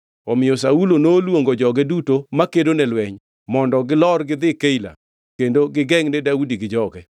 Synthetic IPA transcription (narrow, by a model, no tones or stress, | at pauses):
ɔmɪjɔsaulonolwoŋɡod͡ʒɔɡɛdutomakedonɛlwɛɲ | mɔndɔɡɪlɔrɡɪd̪ɪkeila̰ | kendoɡɪɡɛŋnɪdaudiɡɪd͡ʒɔɡɛ